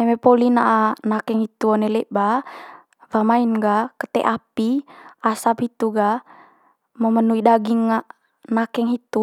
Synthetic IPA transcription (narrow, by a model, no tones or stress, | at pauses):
ɛmɛpolinaʔanakɛŋhit̪uɔnɛlɛʔba | vamainɡakət̪ɛ̰ʔapiasaphit̪uɡa | məmənuidaɡiŋːa | nakɛŋɦit̪u